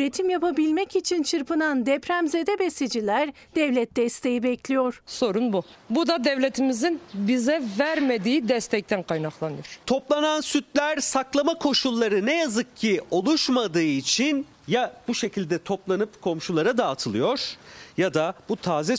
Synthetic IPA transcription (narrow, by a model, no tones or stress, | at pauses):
ɾe̞t̪ʰimjapabilʲmɛcit͡ʃʰint͡ʃʰɯɾpɯnand̪ɛpɾæmze̞d̪ɛbesed͡ʒilʲæɾ | d̪ɛvlʲɛt̪̚d̪ɛst̪ʰe̞jibɛclʲijoɾ̥so̞ɾunbubud̪ad̪ɛvlʲet̪ʰimizinbizɛvæɾmed̪iːid̪ɛst̪ʰɛc̚t̪ʰænkʰajnaklˠanɯjoɾ̥t̪ʰo̞plˠanansyt̪lʲæɾsaklˠamakʰo̞ʃulˠːaɾɯnɛjazɯk̚cʰio̞lˠuʃmad̪ɯːit͡ʃʰin | jab̥uʃe̞cʰilʲd̪ɛt̪ʰo̞plˠanɯpkʰo̞mʃulˠaɾad̪aːt̪ʰɯlˠɯjo̞ɾ̥jad̪ab̥ut̪ʰaːzɛ